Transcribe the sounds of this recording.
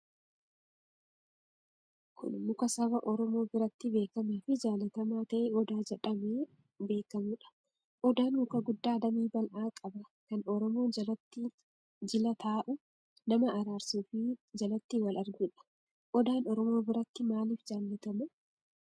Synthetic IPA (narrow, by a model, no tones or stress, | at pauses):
kʰʊ̰nmʊkɐsɐbɐʔɔɾɔmo̞ːbɪɾɐt̪ːɪbe̞ːkɐmɐfɪd͡ʒaːlɐt̪ɐmaːt̪ɐʔeːɔd̪aːd͡ʒɛᶑɐmeː | be̞ːkɐmʊᶑɐ̥ | ʔɔd̪aːnmʊkɐɡʊd̪ːaːd̪ɐmiːbɐlʔaːkʼɐbɐkɐnɔɾɔmo̞ːt̪ː | d͡ʒɪlɐt̪ʰaːʔʊ | nɐmɐʔːɾaːɾsuːfɪd͡ʒɐlɐt̪ːiwɐlɐɾɡʊᶑɐ̥ | ʔɔd̪aːnɔɾɔmo̞ːbɪɾɐt̪ːɪmaːliːfd͡ʒaːlːɐt̪ɐmʊ